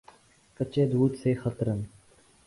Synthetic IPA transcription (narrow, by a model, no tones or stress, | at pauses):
kət͡ʃeːd̪ʱuːt̪seːxət̪ɾən